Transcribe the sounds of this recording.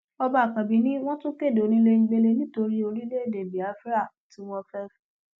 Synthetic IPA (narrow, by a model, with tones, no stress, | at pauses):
ɔ˧ba˦a˨kã˨bi˨˦nĩ˦w̃ɔ̃˦tõ˦ke˦˨do˨nĩ˦le˧ŋ̩̃˦ɡ͡be˧le˧nĩ˦to˧ɾi˦o˧ɾi˦le˦e˦˨de˨bi˨a˨˦fɾa˦˨ | ti˦w̃ɔ̃˧fɛ˦fɛ˦